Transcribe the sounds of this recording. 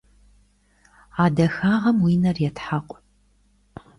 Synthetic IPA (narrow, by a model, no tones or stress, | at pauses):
aːdɐxaːʁɐmwiːnɐrjɛtħaqʷʼ